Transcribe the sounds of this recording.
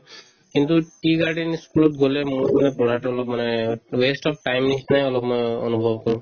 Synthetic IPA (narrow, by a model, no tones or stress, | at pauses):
kint̪uʈiɡaɹɖiniskulɔt̚ɡolɛmumanɛpɔɽatɔɔlɔkmanɛwestɔp̚ʰʈajmnisnajɔlɔk̚mojɔ̰nubʱɔbkɔɹʊ̃